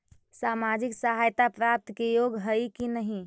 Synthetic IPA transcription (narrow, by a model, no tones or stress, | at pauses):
samad͡ʒɪksəɦajt̪apɾap̚t̪kejoɡɦəikinəɦĩ